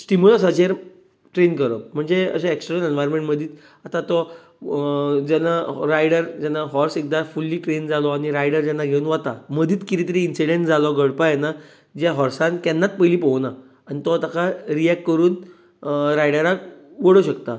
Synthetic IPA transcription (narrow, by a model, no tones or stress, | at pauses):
sʈimulasat͡ɕeɾ | ʈɾenkəɾəm̤əɳd͡zeə̰ɕaeksʈəɾəlenʋajɾnmẽɳʈməd̪ʱiːt̪ | at̪ãt̪ɔ | d͡zɛnaɾajɽəɾd͡ʑɛnːaɦɔɾsek̚d̪afulːiːʈɾend͡zalɔaɽ̃iɾajɽəɾd͡ʑɛnːaɡʱeunʋat̪aməd̪ʱiːt̪kiɾit̪əɾiːnsiɽeɳʈd͡zalɔɡəɭpajɛna | d͡ʑjaɦɔɾsãnk̪ɛnːat̪̚pəjliːpɔwna | añit̪ɔt̪akʰaɾiɛkʈkəɾuːn | ɾajɽəɾakʋəɽəɕəkt̪a